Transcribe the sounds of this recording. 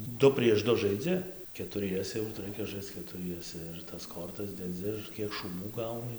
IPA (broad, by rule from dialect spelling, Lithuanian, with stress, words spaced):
ˈdʊ pʲrʲiɛʃ ˈdʊ ʒɐɪˈd͡zʲɪ kʲɛtʊˈrʲiɛsʲɛ jɛʊ tɐɪ ˈrɐɪkʲɛ ˈʒɐɪst͡s kʲɛtʊˈrʲiɛsʲɛ ɪr tɐs ˈkoːrtɐs dʲɛˈd͡zʲɪ ɪr ˈkʲiɛk ʃuːˈbuː ˈɡɐʊnʲɪ